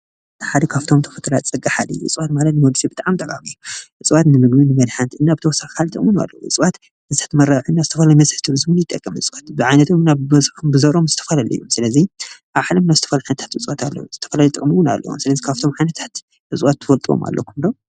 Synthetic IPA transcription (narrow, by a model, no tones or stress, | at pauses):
ħad̪ɐkʰaft̪ʰo̞mt̪ʰɐ̥fɐt̪ʰɨlatt͡sʼɨɡʼaħad̪ɨ̰juʔɨ̰t͡sʼβat̪malɐt̪nɨmod̪sibɨt̪ʼaʕamt̪ʼɐkʼa̰mijːuʔɨt͡sʼɨwat̪nɨmɨɡbinɨmɐd̪ħant̪ʔɨnːabɨt̪ʰɐwɔsːakʰalt̪ʰʼɨkʼmɨna̰lːɐ̰ʔɨ̰t͡sʼβat̪ | ɨzɨt̪ɐ̥t̪mɐɾaʕɨnːazɨt̪ʰɐfɐlajmɐzħt̪ʰɨβɨzmɨnjɪt̪ʼːɐkʼːɐmʔɨ̰t͡sʼwat̪bɨʕajnɐt̪ʰomnazmbɨzɐɾomzɨt̪ʰɐfalalɐjːumsɨlɐziʔaβħalɐmnazɨt̪ʰɐfalajħɨnɐt̪ʰḁt̪ʔɨt͡sʼwat̪ʰalːɐ̰wuz̥ɨt̪ʰɐfɐlalit̪ɨkʼmɨwɨna̰lːɐ̰wo̰msɨlɐzikʰaft̪ʰo̞mʕajnɐt̪ʰḁt̪ | ʔɨsʼwat̪ʰːɨfɐlt̪ʼio̰ma̰lːʔɐ̰kʰɨmd̪o